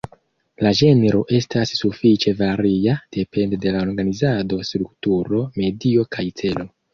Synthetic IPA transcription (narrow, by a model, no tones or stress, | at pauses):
laʒe̞neɾo̞ʔe̞stasːufit͡ʃe̞vaɾiad̥e̞pe̞ndede̞lao̞ɾɡanizado̞stɾuktuɾo̞me̞dio̞kʰajt͡se̞lo̞